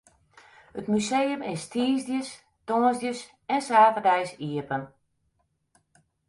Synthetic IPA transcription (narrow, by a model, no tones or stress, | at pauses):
ətmysejəmɪstʰiːzdjəs | tɔːnzdjəs | ɛnsaːvədɛjsiəpən